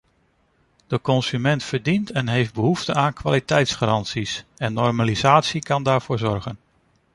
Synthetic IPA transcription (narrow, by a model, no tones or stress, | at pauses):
d̥əkɔnsymɛntfəɹdintɛnɦejfd̚bəɦuftəaːnkʋa̰ːlitɛjtsχaɾɑntsisɛnːɔrmalizaːtsikɑndaːɹv̥ʊːɹzɔrχən